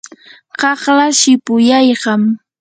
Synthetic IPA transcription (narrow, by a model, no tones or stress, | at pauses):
ɢɑχlaʃɪpʊjɑjɢɑm